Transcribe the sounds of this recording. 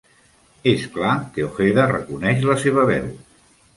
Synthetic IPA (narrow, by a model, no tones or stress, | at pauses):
esklakeoxeðərə̰kunɛʃləseβ̞əβɛ̰w